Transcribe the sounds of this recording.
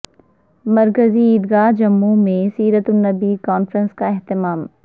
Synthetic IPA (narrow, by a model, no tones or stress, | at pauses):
mɐɾkəziːd̪ɡaːd͡ʒɐmːumẽsiːɾət̪ʊnːɐbiːkɔːnfɾə̃nskaɪɦt̪ɪmaːm